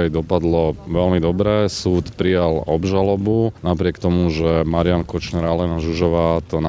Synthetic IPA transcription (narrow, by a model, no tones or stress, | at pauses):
ajd̪ɔpad̪lɔʋɛlmid̪ɔbɾɛːsuːt̪pɾijalɔbʒalɔbunapɾɪɛkt̪ɔmuʒɛmaɾiankɔt͡ʃnɛɾalɛnaʒuʒɔʋaːt̪ɔna